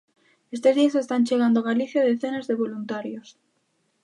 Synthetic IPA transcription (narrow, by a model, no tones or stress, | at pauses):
e̞st̪o̞zðiase̞st̪anʲt͡ʃeɣand̪oɣ̞aliθjaðeθe̞nezðe̞βo̞lunt̪aɾjo̞s